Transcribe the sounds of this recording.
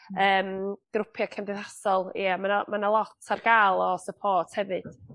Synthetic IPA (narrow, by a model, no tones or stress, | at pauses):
əːmɡ̥ɾʊpʰjɔkʰəmdɪðasɔlˠḭamanamanalˠɔtʰarɡalˠɔsəpʰɔːtʰhɛvɨd̥